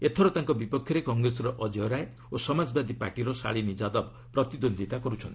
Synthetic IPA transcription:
et̪ʰɔɾɔt̪aŋkɔbipɔkʰjɔɾekɔŋɡɾesɔɾɔʔɔd͡ʒɔɾae | osɔmad͡ʒbad̪ipa̰ɾʈiɾɔsa̰ɭimid͡ʒad̪ɔb | pɾɔt̪id̪ond̪ʱit̪akɔɾut͡ʃʰɔnt̪i

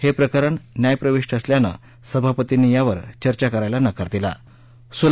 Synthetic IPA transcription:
hepɾəkəɾəɳnjajpɾəʋiʂʈʰəsljanə̰ | səbʱapət̪inijaʋəɾt͡ɕəɾt͡ɕakəɾajlanəkəɾt̪ila̰ | sul

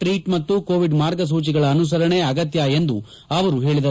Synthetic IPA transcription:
ʈɾiːʈmɐt̪ːukoːʋiɖmaːɾɡɐs̬uːt͡ʃiɡɐɭɐːnus̬ɐɾɐɳe̞ɐɡɐt̪jae̞nd̪u | ɐʋɐɾuɦe̞ːɭid̪ɐ

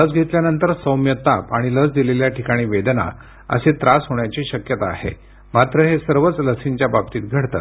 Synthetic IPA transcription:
ləd͡zɡʱet̪ljanənt̪əɾsəwmjət̪apaɽ̃iləd͡zd̪ileljaʈʰikaɽ̃iːʋed̪na̰ | ə̰set̪ɾasɦoɽɳjat͡ɕiːɕəkjət̪a̰ːɦḛ | mat̪ɾəɦesəɾʋət͡sləsiɲt͡ɕjabab̚t̪iːt̪̚ɡʱəɽt̪a̰t̪

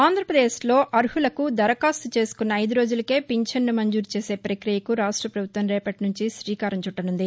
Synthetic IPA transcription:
aːnd̪ʱɾɐpɾɐd̪e̞ːslo̞ːʔɐɾhulɐkud̪ɐɾɐkaːst̪ut͡ʃe̞ːsu̥kunːɐɐjd̪uɾo̞ːd͡ʒulɐke̞ːpiɲt͡ʃɐnːumɐɲd͡ʒuːɾt͡ʃe̞ːse̞ːpɐɾɐkɾijɐkuɾaːʂʈɾɐpɾɐbut̪ʋɐmɾɛːpɐʈnuɲt͡ʃiʃɾiːkaːɾɐɲt͡ʃuʈːɐnund̪i

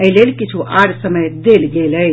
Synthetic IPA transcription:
əɦlelkit͡ʃʰuʔaɽsəməjd̪elɡeləj

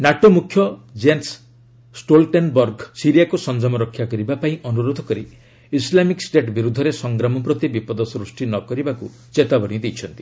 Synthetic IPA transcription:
naʈomukʰjɔd͡ʒens | sʈolʈenbɔɾɡsiɾijakusɔnd͡ʒamɔɾɔkʰːjakɔɾibapaĩʔɔnuɾod̪ʱɔkɔɾi | islamiksʈeʈbiɾud̪ʱːɔɾesɔŋɡɾamɔpɾɔt̪ibipɔd̪ɔsɾusʈinɔkɔɾibaku | t͡ʃet̪abɔɽ̃id̪ejt͡ʃʰɔnt̪i̥

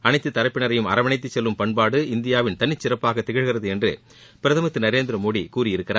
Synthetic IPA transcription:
ɐnɐɪt̪ːɯt̪ːɐɾɐpːɪɳɐɾɐjɯmɐ̰ɾɐʋɐnɐɪt̪̬ːɯt͡ʃːɛlːɯmpɐɳpaːɽɯɪnd̪ɪjaːʋɪnt̪ɐnːɪt͡ʃːɪɾɐpːaːɣɐt̪ːɪɣɪɻɣɪrɐðɯɛndrɯ̰ | pɪɾɐðɐmɐt̪ːɯnɐɾeːnd̪ɪɾɐmoːɽikuːrɪjɪɾɯkːɪɾaː

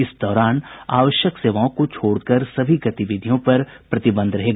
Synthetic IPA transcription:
ɪsd̪ɔːɾaːna̰ːʋəʃjəkseːʋaːõkot͡ʃʰoːɽkɐɾsɐbʱiɡɐt̪ɪʋɪd̪ʱijõpɐɾpɾɐt̪ɪbə̃nd̪ʱɾɐɦeːɡaː

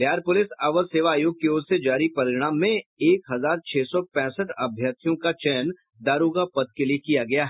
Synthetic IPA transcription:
bjaːɾpʊlɪsɐʋəɾseːʋaːjoːɡ̚keoːɾsed͡ʒaːɾipɐɾɪɽ̃aːmːẽeːkɦɐzaːɾt͡ʃʰeːsɔpɛ̃ːsəʈɐbʱjaːt̪ijõkat͡ʃɛːn | d̪aːɾoːɡapɐd̪̚keliekijaɡɐjaɦɛ

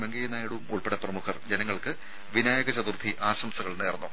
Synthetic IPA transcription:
meŋɡɐjɐnaːjiɽuumuɭpeɽɐprɐmukʰɐrd͡ʑenɐŋːɐɭkɨ | ʋinaːjɐɡɐt͡ɕɐðurd̪ʰʱiʔaːɕɐmsɐɣɐɭneːrɐnːu

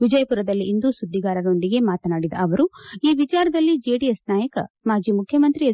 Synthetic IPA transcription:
ʋid͡ʒɐjɐpuɾɐd̪ɐlːiːnd̪usud̪ːiɡaːɾɐɾo̞ɳɖiɡe̞maːt̪ɐnaːɽid̪ɐ̰ɐʋɐɾuiːʋit͡ʃaːɾɐd̪ɐlːid͡ʒeːɖijesnaːjɐkɐ | maːd͡ʒiːmukʰjɐmɐnt̪ɾi

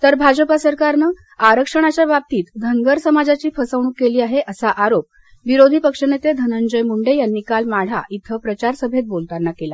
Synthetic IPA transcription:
t̪əɾbʱad͡ʑəpasəɾkaɾnə | aɾəkʂəɽ̃at͡ɕjabab̚t̪iːt̪d̪ʱəŋɡəɾsəmad͡zat͡ɕiːfʰəsəʋɳ̃uːkːeliːaɦeʔəsaʔaɾop̚ | ʋiɾod̪ʱiːpəkʂənet̪ed̪ʱənəɲd͡ʑəjmuɳɖejanːiːkalmaɽ̤a̰ʔit̪ʰəpɾət͡ɕaɾsəbʱet̪̚bolt̪anːakela

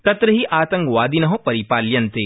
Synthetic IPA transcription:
t̪ɐt̪ɾəɦiʔaːt̪ɐ̃ŋkʋaːd̪inɐɦõpɐɾipaːljɐnt̪eː

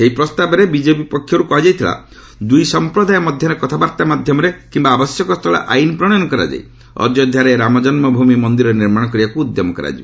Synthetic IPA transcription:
seɦipɾɔst̪abɔɾebid͡ʒebipɔkʰːjɔɾukɔɦad͡ʒajt̪ʰila̰ | d̪ujsɔmpɾɔd̪ajɔmɔd̪ʱjɔɾekɔt̪ʰabaɾt̪amad̪ʱjɔmɔɾekimbaːbɔsjɔkɔst̪ʰɔɭɔ̰ʔajnɔpɾɔɽ̃ɔnɔkɔɾa̰d͡ʒa̰j | ɔ̰d͡ʒjɔd̪ʱjaɾeeɾamɔd͡ʒɔnmɔbʱumimɔnd̪iɾɔɾeniɾmaɽ̃ɔkɔɾibakuːd̪jɔmɔkɔɾa̰d͡ʒi

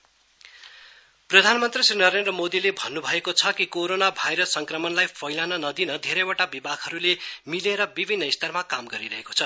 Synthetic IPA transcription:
prʌd̪ʱanmʌnt̪risrinʌɾend̪rʌmod̪ilebʱʌnːubʱʌekot͡sʰʌkikoɾonabʱajɾʌsːʌŋkrʌmʌnlajpʰʌjlanʌnʌd̪inʌd̪ʱeɾʌjwaʈabibaɡɦʌɾulemileɾʌbibʱinːʌist̪ʌrmakamɡʌɾiɾʌɦeko̥t͡sʰʌ

